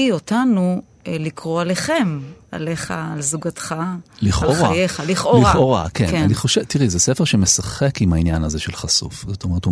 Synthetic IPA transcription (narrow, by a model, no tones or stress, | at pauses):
iotanu | likʁoaleχe̞ma̰leχa̰ːlzuɡatχaliχaloʁajeχaliχʔoliaoʁa̰kena̰niχoʃevt̪iʁizɛsefeʁʃemesaχekimhainjanhazeʃelχasṵfzot̪omeetu